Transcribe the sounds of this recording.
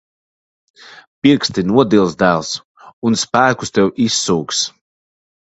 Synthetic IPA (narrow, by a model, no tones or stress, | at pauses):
piɾkst̪inuɔd̪ilˠzd̪æːlˠs | unspæːkust̪ɛwʔisːuːks